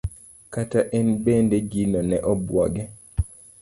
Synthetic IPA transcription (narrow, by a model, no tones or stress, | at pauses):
kataʔɛnbended͡ʒinɔnɛʔɔbwɔɡɛ